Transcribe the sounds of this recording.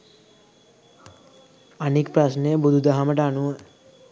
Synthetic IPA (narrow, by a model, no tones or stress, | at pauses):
anikpɾasnejəbud̪ʱud̪aɦaməʈəanuʋə